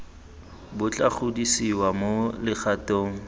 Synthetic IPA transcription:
bʊt͡ɬʼaχʊdisiwamolɪχʰatoːŋ̩

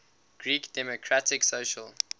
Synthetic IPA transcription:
ɡ̥ɹiːkd̥ɛmokʰɹatɪksoːʃəl

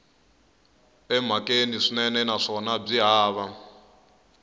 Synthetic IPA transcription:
ɛm̤akeniʂinɛnɛnaʂɔnab͡ʐiɦaːβa

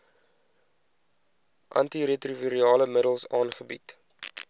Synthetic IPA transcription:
ʔɐ̰ntiɾetrivəɾiɑːləmədəlˠsɑːnχəbit

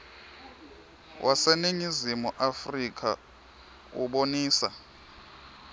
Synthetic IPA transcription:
wʔasɛneɲizimuʔafrikʰʼa̰ | ṵɓoniːsa̰

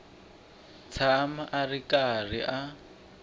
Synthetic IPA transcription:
t͡sʰamaʔarikar̤iʔa

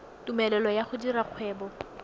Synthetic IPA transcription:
tumɛlɛlɔjaχʊdiɾaq͡χʰwɛːbɔ

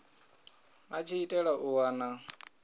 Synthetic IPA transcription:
mat͡ʃʰiitʼɛɺaʔuwaːna

